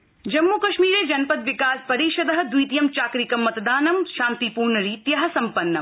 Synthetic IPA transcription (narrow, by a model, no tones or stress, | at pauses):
d͡ʒɐmːuːkɐʃmiːɾeːd͡ʒɐnpɐd̪ʋikaːspɐɾiːʃɐd̪ɐɦɐd̪ujt̪jɐmt͡ʃaːkɾikɐmːɐt̪d̪aːnɐmʃaːnt̪ipuːɾnɐɾiːt̪jɐɦɐ̆sɐmpɐnːɐ